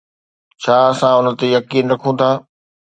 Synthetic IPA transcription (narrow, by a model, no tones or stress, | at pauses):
t͡ɕʰaːɐsãʊnə̆t̪ejɐkiːnɾɐkʰũt̪ʰaː